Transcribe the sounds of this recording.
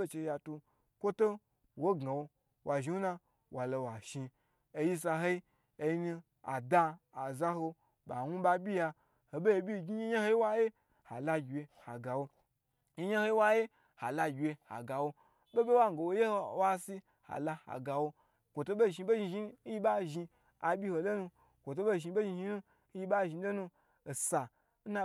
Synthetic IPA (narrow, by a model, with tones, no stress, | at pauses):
e˦t͡ʃe˧ja˨tu˧ | kʷo˦to˦ | wo˦ɡa˨wo˧ | wʔa˨ʒi˧u˦na˧ | wʔa˨lo˧wa˨ʃi˧ | e˧ji˦s̬a˧ɦo˦i˦ | e˧˦ni˧ | a̰˨da˧a˨za˦ɦo˧ | ba˨nʷu˦ba˧bʲi˦ja˧ | ho˨be˦e˧˨bʲi˦˨ɡʲi˦ɲi˦ɲa˦ho˦i˦wa˦je˦ | ha˨la˦ɡʲwe˧ha˨ɡa˨wo˧ | i˦ɲe˦ho˦i˦wa˦je˦ | ha˨la˧ɡʲe˧ha̰˨ɡa˨wo˧ | bo˦bʲe˦wa˦ŋ˨ɡo˨wo˦je˦ho˦wa˦si˦ | ha̰˨la˧ha̰˨ɡa˨wo˧ | kʷo˨to˦bo˦˨ʒi˧be˦ʒi˧ʒi˦n̩˦ji˦ba˦ʒi˧ | a˨bʲi˦ho˧lo˦nu˧ | kʷo˨t̬o˦bo˦˨ʒi˧be˦ʒi˧ʒi˦nu˦ | ji˦ba˦ʒi˧˦do˦nu˧ | o˨sa˨ | n̩˦na˧